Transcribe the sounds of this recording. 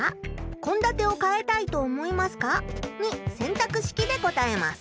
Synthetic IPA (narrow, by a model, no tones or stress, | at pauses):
akõ̞nd̪at̪e̞okae̞t̪ait̪o̞ːmo̞imasɨ̥kaɲ̟isẽ̞nt̪akɯ̟ɕi̥kʲid̪e̞ɡo̞t̪aema̰sɨ̥